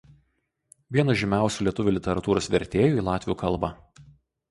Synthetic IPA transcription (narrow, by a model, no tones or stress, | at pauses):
ʋʲiɛnɐʒʲɪmʲæˑʊsʲuːlʲiɛt̪ʊʋʲuːlʲɪt̪ʲɛɾɐt̪uːɾoːsʋʲɛɾʲt̪ʲeːjuˑiːlˠɑːt̪ʲʋʲjuːkʰɐlˠˑbɐ